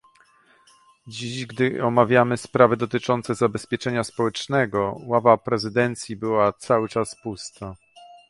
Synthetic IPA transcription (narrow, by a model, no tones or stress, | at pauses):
d͡ʑiʑɡd̪ɘɔmavʲjamɘspɾavɘd̪ɔt̪ɘt͡ʂɔnt̪sɛzabɛspʲjɛt͡ʂɛɲaspɔwɛt͡ʂnɛɡɔwavapɾɛzɘd̪ɛnt̪sʲjibɘwat̪sawɘt͡ʂaspust̪a